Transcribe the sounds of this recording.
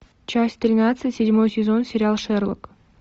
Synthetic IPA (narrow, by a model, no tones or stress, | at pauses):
t͡ɕasʲt̪ʲrʲɪnat̪sɨsʲɪdʲmojsʲɪzo̞nsʲɪɾʲɪalˠʂeɾlˠə̰k